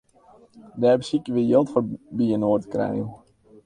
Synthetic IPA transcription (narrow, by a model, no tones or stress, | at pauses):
dɛːrbəsikəʋɪjɪlˠtfobiənoːrtə̥krɛ̰ju